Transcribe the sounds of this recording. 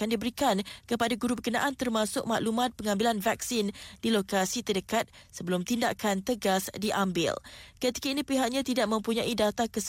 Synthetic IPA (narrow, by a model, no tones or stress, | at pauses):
andibəɾikankəpadaɡuɾubəkənã̰ʔant̪ərmãsʊ̰k̚maʔlumãt̪̚pəŋãmbilanvak̚sind̥ilokasit̪ədəkat̪̚səbəlʊmt̪indaʔkʰant̪əɡasdiʔambɪ̰lkət̪i̥kainĩpiɦak̚ɲãt̪idaʔ̚mə̃mpuɲãʔidat̪akəs